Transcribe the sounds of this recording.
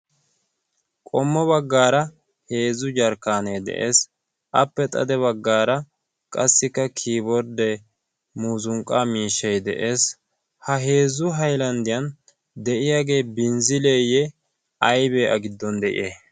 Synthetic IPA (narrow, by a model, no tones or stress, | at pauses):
kʼɔmːɔβɐɡːaːɾɐ | he̞ːzʊd͡ʒɐɾkːaːnejd̪ɛ̰ʔe̞ːs | ʔɐpːɛt̪ʼɐ̰d̪ɛβɐɡːaːɾɐ | kʼɐsːɪkːɐkʰiːbɔɾd̪ɛ | muːzʊŋkʼːaːmiːʃːɛjd̪ɛ̰ʔe̞ːs | hɐɦe̞ːzʊɦɐjlɐnd̪ɪjɐn | d̪ɛʔɪjaːɡe̞ːbɪnzɪlejɛ | ɐjbeːʔɐ̰ɡɪd̪ːɔnd̪ɛʔɪ̰jʔeː